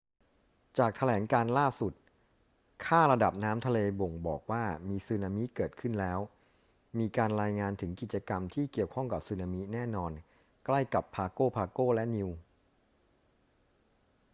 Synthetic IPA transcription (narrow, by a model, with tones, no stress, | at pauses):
t͡ɕaː˨˩k̚t̪ʰa˧lɛː˩˦ŋkaː˧nlaː˥˩su˨˩t̪̚ | kʰaː˥˩ɾa˧da˨˩p̚naː˦˥mt̪ʰa˧leː˧bo˨˩ŋbɔː˨˩k̚waː˥˩miː˧sɯː˧naː˧mi˦˥kɤː˨˩t̪̚kʰɯ˥˩nlɛː˦˥w | miː˧kaː˧nɾaː˧jŋaː˧nt̪ʰɯ˩˦ŋki˨˩t̪̚t͡ɕa˧ka˧mt̪ʰiː˥˩ki˨˩əwkʰɔ˥˩ŋka˨˩p̚sɯː˧naː˧mi˦˥nɛː˥˩nɔː˧n | kla˥˩jka˨˩pʰːaː˧koː˥˩pʰaː˧koː˥˩lɛ˦˥ʔni˧w